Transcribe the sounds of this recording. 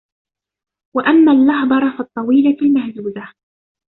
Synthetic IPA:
waʔamːaːlːɑhbˤɑɾˤɑfɑt̪ˤːɑwiːlalmahzuːza

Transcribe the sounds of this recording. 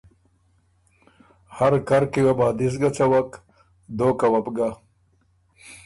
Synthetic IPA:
haɾkaɾkiwabaːd̪is̬ɡɐt͡sawak | d̪oːkawɐpɡa

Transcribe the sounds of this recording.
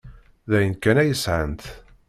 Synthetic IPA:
ðæjənkːænæjəsʕənt̪

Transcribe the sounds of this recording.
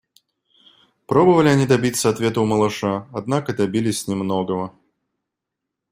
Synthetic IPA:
pɾobəvəlʲɪɐnʲid̪ɐbʲit̪sːəɐt̪vʲet̪əuməlˠɐʂaɐd̪nakəd̪ɐbʲilʲɪsʲnʲɪmnɔɡəvə

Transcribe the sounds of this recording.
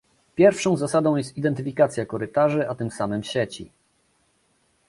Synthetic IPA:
pʲjɛɾfʂɔ̃w̃zasad̪ɔ̃w̃jɛst̪id̪ɛnt̪ɘfʲikat̪sʲjakɔɾɘt̪aʐɘat̪ɘmsamɘmɕet͡ɕḭ

